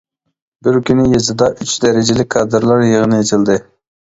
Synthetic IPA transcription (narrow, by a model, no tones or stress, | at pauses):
bɪɾkʲynɪjezɨd̪ɑʔyt͡ʃd̪ɛɾɪd͡ʒɪlɪk̚ʲkʰɑːd̪ɨɾlˠɑɾjeʁənɨjet͡ʃ̪ʰɪlˠd̪ɨ